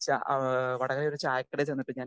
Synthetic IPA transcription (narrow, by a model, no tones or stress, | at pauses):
t͡ɕa̰ʋɐɽɐɣɐleoɾut͡ɕaːjɐkːɐɽet͡ɕenːiʈːɨɲaːn